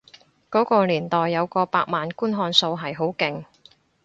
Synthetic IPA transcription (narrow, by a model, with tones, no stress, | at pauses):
kɔː˨˥kɔː˧liː˨˩nt̪ɔː˨˩jːɐ˨˧wkɔː˧paː˧k̚maː˨nkuː˥nɦɔː˧nso˧wɦɐ˨jɦo˨˥wkɪ˨˩ŋ